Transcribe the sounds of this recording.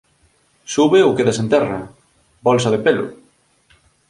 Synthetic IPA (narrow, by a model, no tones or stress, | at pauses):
suβeʊkeðesent̪ɛrɐ | bɔlsɐðepelʊ̰